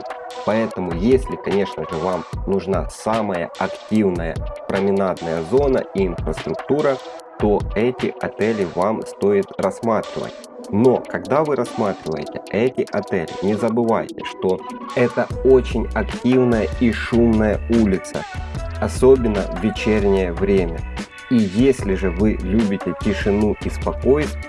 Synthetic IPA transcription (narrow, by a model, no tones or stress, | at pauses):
pɐɛt̪əmʊjesʲlʲɪkɐnʲe̞ʂnəʐɨvamnʊʐna̰saməjə̰ɐktʲivnəjə̰pɾəmʲɪnad̪nəjəzo̞nə̰ʔiːnfɾəst̪ɾʊkt̪uɾət̪o̞ɛtʲɪʔɐt̪ɛlʲɪvamst̪o̞ɪt̪rɐsmat̪ɾʲɪ̰və̰tʲ | no̞kɐɡd̪avɨɾɐsmat̪ɾʲɪvə̰jɪ̰tʲɪ̰ɛtʲɪʔɐt̪ɛlʲɪ̰nʲɪzəbɨva̰jtʲɪ̰ʂt̪o̞ɛt̪əot͡ɕɪnʲɐktʲivnəjəiʂumnəjəulʲɪt̪sə̰ɐso̞bʲɪnːəvʲɪt͡ɕerʲnʲɪjəvɾʲemʲə | ijesʲlʲɪʐɨvɨlʲubʲɪtʲɪtʲɪʂɨnuispɐko̞jt̪